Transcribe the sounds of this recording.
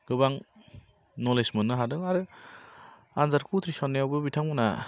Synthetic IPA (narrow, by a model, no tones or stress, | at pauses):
ɡ̥ɯbaŋ | nɔlesmɯnːɯɦadɯŋaɾɯ | anzaɾkʰut̪ʰɾisanːejawbɯbitʰaŋmɯna